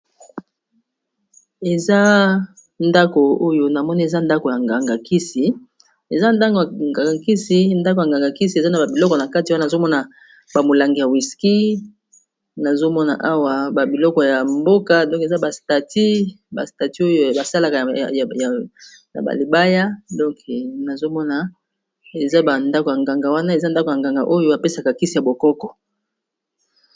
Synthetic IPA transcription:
e˨za˦ | nda˦ko˨o˦jo˦na˨mɔ˦ni˦e˨za˦nda˦ko˨ja˨ŋɡa˨ŋɡa˨ki˦si˨ | e˨za˦nda˦ŋɡo˨jŋɡa˨ɡa˨ki˦si˨nda˦k̬o˨jŋɡa˨ŋɡa˨ki˦si˨e˨za˦na˨ba˨bi˨lɔ˦kɔ˨na˨ka˦ti˨˦n˨a˨zo˦mɔ˦na˨ | ba˨mo˨la˨ŋɡi˨ja˨wi˨ski˦ | na˨zo˦mɔ˦na̰˨ʔa˦wa˨ba˨bi˨lɔ˦kɔ˨ja˨mbo˦ka˦dɔ̃˦ke˨za˦ba˨sta˨ti˦ | ba̰˨sta˨ti˦o˦jo˦˨ba˨sa˦la˨ka˨a˨ja˨ | na̰˨ba̰˨li˨ba˦ja˦dɔ̃˦ŋkna˨zo˦mɔ˦na˨ | e˨za˦ba˨nda˦ko˨ja˨ŋɡa˨ŋɡa˨wa˦na˦e˨za˦nda˦ko˨ja˨ŋɡa˨ŋɡa̰˨ʔo˦jo˦a˨pe˦sa˨ka˨ki˦si˨ja˨bo˨kɔ˦kɔ˨

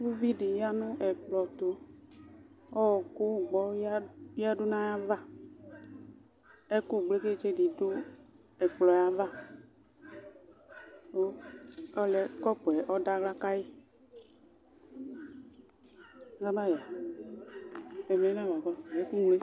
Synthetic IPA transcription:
u˦vi˦di˨ja˦nũ˦ʔɛ˨k͡plɔ˨t̪o˨ | ɔ˦ɔ˨ko˦ɡ͡bɔ˨˦a˦du˦nã˦ja˦va˦ | ɛ˦ku˦˨ɡ͡ble˦ke˦˨t͡ʃe˦˨di˨du˦ | ɛ˨k͡plɔ˨ja˦va˦ | o˦ɔ˦lɛ˨kɔ˦pu˨ɛ˨ʔɔ˦da˦ɡla˦ka˦ji˦˨˦ | ɡa˦ba˦ja˨ | ɛ˨mɛ˨˦ã˦wa˨ɡɔ˦˨ɛ˦ku˦ŋle˦

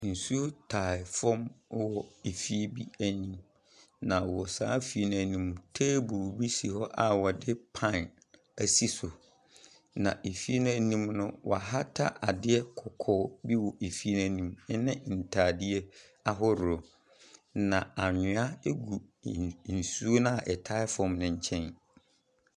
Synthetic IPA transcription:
n̩˨su˦tʰa˨ɪ˨fɔ˦m˦wɔ˨e˨fi˦e˦bi˦æ˦nĩ˦m | nã˨wɔ˨saː˨˦fi˨e˦nʊ̃˨nĩ˦mtʰeː˦bu˨bi˦si˨hɔ˦ʔa˨wɔ˨dɪ˦pʰã˦˨n | æ˨si˦sʊ˨ | nã̰˨ʔe˨fi˦e˦nʊ̃˦æ˨nĩ˦mnʊ̃˦wʔɔ˨a˨ɦa˦tʰa˦ʔa˨dɪ˦ɛ˦kʰɔ˨kʰɔː˦bi˦wɔ˨ʔe˨fi˦nã˨nĩ˨m˦nɪ̃˦n̩˨tʰaː˨dɪ˦ɛ˦ | a˦ɦɔ˦ɾʊ˨ɔ˨ | nã˨a˨ɲɪ̃˨a˦e˦ɡu˨n̩˨su˦o˦nã˦˨ʔɛ˨tʰa˦ɪ˦fɔ̃˨mnɪ̃˨ɲ̩˨t͡ɕʰɛ̃˦n

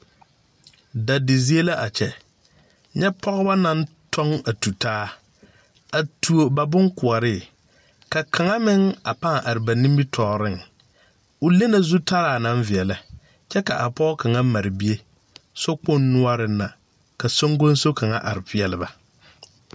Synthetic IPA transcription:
da˨dɪ˨zi˦e˦la˦ʔa˨t͡ʃɛ˨ | ɲɛ˦pʰɔ˦ɣʊ˦ba˦na˦n | tʰɔ˦ŋa˨tu˨taː˦ | a˨tʰu˨o˨ba˨bʊ˦ŋkʊ˨a˨ɾɪ˦˨ | ka˨kʰa˨ŋa˦mɪ˦ŋa˨pa˦ŋ˨ʔa˨ɾɪ˨ba˨nĩ˦mbi˦tʰɔː˨ɾɪ˦ŋ | ʊ˨le˦na˨zu˦tʰa˦ɾaː˨na˦ɱ˦vɪ˨ɛ˨la˦ | t͡ʃɛ˦ka˨ʔa˨pɔː˦ka˨ŋa˦ma˨ɾɪ˨bi˦e˦ | so˦k͡po˦nːʊ˦a˦ɾɪ˨nːa˨ | ka˨so˦ŋɡo˦n˦so˦kʰa˨ŋa̰˦ʔa̰˨ɾɪ˨pɪ˨ɛ˨lɪ˦ba˨

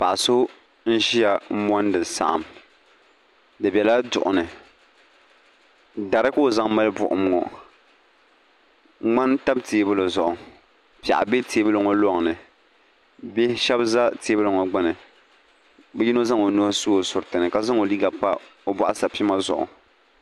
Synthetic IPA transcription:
pa˨ʔa˨so˦ | n̩˦ʒi˦ja˨mɔ˦ndɨ˨sa̰˨ʔa̰˨m | dɨ˨bɛ˨la˦dʊ̰˨ʔʊ˨nɨ˨ | da˨ɾɨ˦koː˦˨za˦ŋma˦lɨ˦bʊ̰˨ʔʊ̰˨m˦ŋɔ̰˨ | ŋ͡ma˦nta˦bteː˨˦bʊ˦lɨ˨zʊ˨ʔʊ˨ | pa̰˨ʔa̰˨be˦tʰe˨˦bɨ˦lo˨ŋɔ˦lɔ˦ŋ˨nɨ˨ | bɛ˦ʃɛ˦bza˦teː˨˦bɨ˦lo˨ŋɔ˨ɡ͡ba˦nɨ˨ | bɛ˦ji˦no˦za˦ŋo˨no˦su˦o˨sʊ˨ɾtɨ˨nɨ˨ka˨za˦ŋo˨li˦ɡa˨pa˦o˦bɔ˦ʔa˦sa˨pi˦ma˦zʊ̰˨ʔʊ̰˨

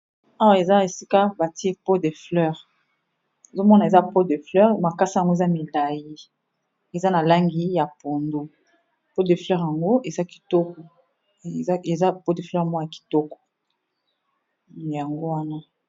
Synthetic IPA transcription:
a˦wa˦˨e˨za˦e˨si˦ka˦ba˨ti˦e˦po˦de˨flœ˦ʁ | e˨zo˦mɔ˦na˨e˨za˦po˦de˨flɛ˦ʁma˨ka˦sa˦˨ŋɡo˦e˨za˦mi˨la˨ji˦ | e˨za˦na˨la˦ŋɡi˦ja˨po˨ndo˨ | po˦de˨flɛ˦ʁja˨ŋɡo˦e˨za˦ki̥˨tɔ˦kɔ˨˦ | e˨za˦po˦de˨flɛ˦ʁmɔ˦n˨a˨ki̥˨tɔ˦kɔ̥˨ | ja˨ŋɡo˦wa˦na˦

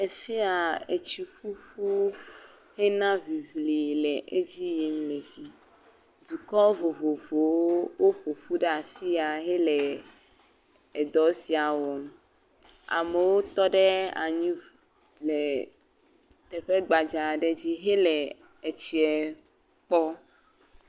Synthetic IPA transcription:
e˨fi˦a˨e˨t͡ɕi˨ɸu˦ɸu˦ | he˦nã˦vi˨vli˨lɛ˨ʔe˦d͡ʑi˦jɛ˨mle˨vi˦ | d̪u˨kɔ˦vo˨vo˨vo˨woo˦wo˦ɸo˨ɸu˦ɖɛ˦a˨fi˦a˨ɦɛ˦lɛ˨ | e˨d̪ɔ˨˦si˨a˨wɔ˨m̃˨ | a̰˨me˨wo˦t̪ɔ˦ɖɛ˦a̰˨ɲĩ˦ | lɛ˨ | t̪ɛ˨ɸe˦ɡ͡ba˨d͡ʒa˨ɖɛ˦d͡ʑi˦ɦe˦lɛ˨ | e˨t͡ɕi˨ɛ˨ | k͡pɔ˦

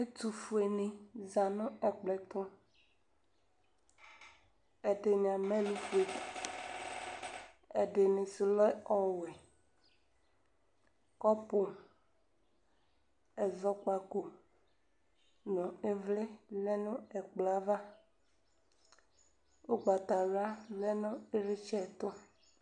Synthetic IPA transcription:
e˦t̪u˨fu˨e˨nẽ˨za˨nũ˦ɛ˨k͡plɛ˨t̪ɔ̃˦ | e˨ɖe˨ɲ˨ã˨mẽ˦lu˦fu˨˦e˨ | e˨ɖe˨nẽ˨si˨lɔ˦ɔ˨we˨ | kɔ˦po˨ | ɛ˨zɔ˦k͡pa˨ko˨ | nɔ̃˨e˦vle˦le˦nũ˦ɛ˨k͡pla˦va˦ | o˦ɡ͡ba˨t̪a˨la˦le˦nʊ̃˦e˦ɾe˦t͡ʃɛ˦˨t̪o˦

